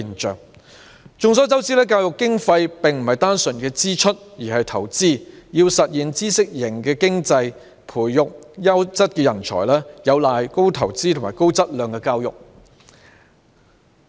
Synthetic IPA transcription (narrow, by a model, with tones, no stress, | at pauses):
nt͡ʃœ̰ː˨˩ŋ | t͡ʃʊ˨˧ŋs̬ɔː˥wt͡sɐ˥wt͡siː˥lɛː˥kaː˧wjʊ˨kːɪ˥ŋfɐ˧jpɪ˨ŋm̩˨˩hɐ˨˩jt̪aː˥nsɵ˨˩nkɛː˧t͡siː˥t͡ʃʰɵ˥t̚jiː˨˩hɐ˨jt̪ʰɐ˨˩wt͡siː˥jiː˧wsɐ˨t̚jiː˨nt͡siː˥sɪ˥k̚jɪ˨˩ŋkɛː˧kɪ˥ŋt͡sɐ˧j | pʰuː˨˩jːʊ˨k̚jɐ˥wt͡sɐ˥t̚kɛ˧jɐ˨˩nt͡ʃʰɔ̰ː˨˩jlɛː˥jɐ˨˧wlaː˨jko˥wt̪ʰɐ˨˩wt͡siː˥t̪ʰʊ˨˩maː˨˩jko˥wt͡sɐ˥t̚lœː˨ŋkɛː˧kaː˧wjʊ̰˨k̚